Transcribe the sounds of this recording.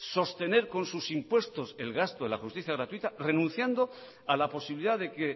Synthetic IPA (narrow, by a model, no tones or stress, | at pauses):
so̞st̪e̞ne̞ɾko̞nsusimpwe̞st̪o̞se̞lɣast̪oelaxust̪iθjaɣɾat̪wit̪are̞nũn̟θjand̪o̞ | alapo̞siβiliðaðe̞ke